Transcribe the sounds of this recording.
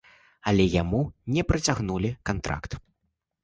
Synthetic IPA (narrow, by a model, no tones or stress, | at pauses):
ɐlʲɛjamunʲɛpɾɐt͡sʲaɣnulʲikant̪ɾa̰kt̪